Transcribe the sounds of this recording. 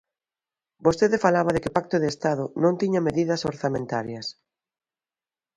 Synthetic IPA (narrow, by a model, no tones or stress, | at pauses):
bost̪eðefalaβaðekɪpak̚t̪oðeːst̪að̞ʊnõnt̪iɲameðiðɐsoɾθamẽnt̪aɾjɐs